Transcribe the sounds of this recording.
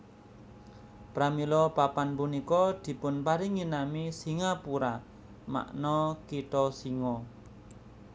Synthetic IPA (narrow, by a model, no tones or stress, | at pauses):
pɾamilɔpapanpunikɔd̪̥i̤pʊnpaɾɪŋːinamisiŋapuɾa | ma̰ʔnɔkiʈ̪ɔsiŋɔ